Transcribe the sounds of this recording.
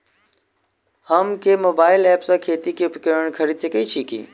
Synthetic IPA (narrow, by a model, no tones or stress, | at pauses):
həmkemoːbaːɪlɛːpsãkʰeːt̪ikeʊpkəɾəɳ̃kʰəɾisekəit͡ʃʰiːkḭː